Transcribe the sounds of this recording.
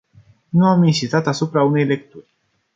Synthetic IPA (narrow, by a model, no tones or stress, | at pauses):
nuaminʃist̪at̪asupɾaune̞jle̞k̚t̪urʲ